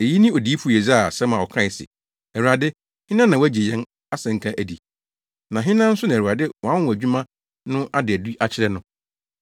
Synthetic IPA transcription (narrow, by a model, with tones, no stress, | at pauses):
e˨ji˦nɪ̃˦ɔ˨di˦pʰu˨˦˨ɛ˨za˦˨sɛ̃˦mã˨ɔ˨kʰã˦˨ɪ˨sɪ̰˨ | ɛ˨ɾu˨a˨dɪ˦ | hɪ̃˦nã˦nã˨wæ˦d͡ʑe˨jɛ̃˦n | a˦sɛ̃˨ŋ̩˨kʰã˦ʔæ˨di˨ | nã˨ɦɪ̃˦nã˦n̩˦sʊ˦nã˨u˨ɾa˨dɪ˦wɔ̃˨ã˦wæ˨d͡ʑᶣu˦mã˦ | nʊ̃˦ʔa˦dɪ˨æ˨du˦ʔa˦t͡ɕʰɪ˦ɾɛ˦nʊ̃˦